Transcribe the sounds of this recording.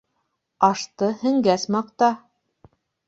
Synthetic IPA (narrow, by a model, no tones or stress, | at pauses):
ɑʃt̪ɤhɘ̆ŋɡæsmɑq̚t̪ɑ